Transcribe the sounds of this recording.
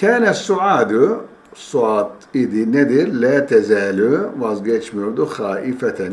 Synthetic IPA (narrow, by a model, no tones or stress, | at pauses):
kʰɛːnɛsuʕaːd̪u | suaːt̪id̪inɛd̪iɾlɛːt̪ʰɛzɛːluʋazɡɛt͡ʃʰmøɾd̪uxaːʔifɛt̪ʰɛn